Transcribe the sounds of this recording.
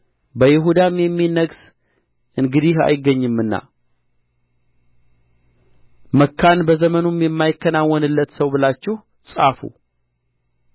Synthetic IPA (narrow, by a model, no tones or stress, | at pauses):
bəjɪɦud̪amjɛmːinəɡs | ʔɨŋɡɨd̪iha̰jɪɡːəɲːɨmːɨnːa̰ | məkʰːanbəzəmənumjɛmːajɪkːənawːɔnɨlːət̪səwbɨlat͡ʃːɪh | sʼafṵ